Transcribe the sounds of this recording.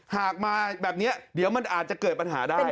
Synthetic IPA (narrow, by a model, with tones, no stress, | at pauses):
haː˨˩k̚maː˧bɛː˨˩p̚ni˦˥ɐdi˨˩˦əwma˧nʔaː˨˩t̪̚t͡ɕa˨˩kɤː˨˩t̪̚pa˧nɦaː˩˦daː˥˩j